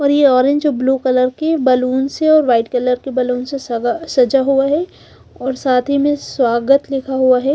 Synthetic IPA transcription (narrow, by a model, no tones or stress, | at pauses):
ɔːɾjeɔːɾẽɲd͡ʒbluːkɐləɾkebɐluːnseɔːɾʋaːɪʈkɐləɾkebɐluːnsesasɐd͡ʒaɦuaɦɛ | ɔːɾsaːt̪ʰimẽswaːɡət̪lɪkʰaɦuaɦɛ